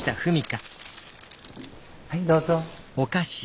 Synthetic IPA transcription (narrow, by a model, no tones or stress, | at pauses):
i̥t̪aɸɯ̟mʲika | aid̪oːzo | o̞kaɕi̥